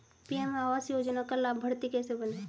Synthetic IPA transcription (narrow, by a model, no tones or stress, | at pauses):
piɛmaːʋaːsjoːd͡ʒnakalaːbbʱəɽt̪ikɛːsebənẽː